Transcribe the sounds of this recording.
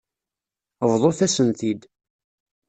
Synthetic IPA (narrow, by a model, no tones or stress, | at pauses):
əvðˤoθæsənt̪id̪